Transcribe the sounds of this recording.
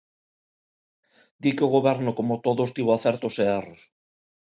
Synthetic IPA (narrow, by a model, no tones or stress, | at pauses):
d̪ikeoɣ̞oβɛɾnokomot̪oðost̪iβoaθeɾt̪oseeros